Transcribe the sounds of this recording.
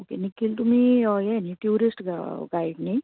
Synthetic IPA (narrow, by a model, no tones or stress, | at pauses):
oːkenɪkɪlt̪ʊmiɔjɛniʈjuːɾɪsʈɡaːɪɖnẽ